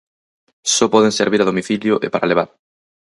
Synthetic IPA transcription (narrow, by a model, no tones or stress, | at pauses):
sɔpɔð̞ẽŋseɾβiɾaðomiθiljʊʔḛpaɾaleβ̞aɾ